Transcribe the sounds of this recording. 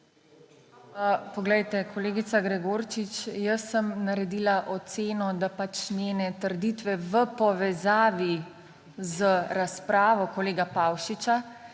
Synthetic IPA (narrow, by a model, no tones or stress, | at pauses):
pɔɡlɛjt̪ɛkʰɔleːɡit̪saɡɾɛɡoːɾt͡ʃit͡ʃjəsːəmnaɾɛd̪iːlaʔɔt̪seːnɔd̪apat͡ʃnjeːnɛt̪əɾd̪iːt̪ʋɛʋəpɔʋɛzaːʋi | zəɾaspɾaːʋɔkɔleːɡapawʃit͡ʃa